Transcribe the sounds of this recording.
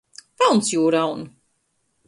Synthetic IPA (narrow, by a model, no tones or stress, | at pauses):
pɛlˠnsjuːɾawnu